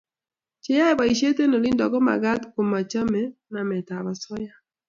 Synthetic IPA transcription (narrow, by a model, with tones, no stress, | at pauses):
t͡ʃe˦ja˦ɛ˦ba˨i˨ʃe˦te˦no˨li˦ndɔ˨kɔ˦ma̰˨ɡa˦t̪ko˨ma˨t͡ʃa˦mɛ˦na˨mɛ˨ta˨βa˨sɔ˦ja˦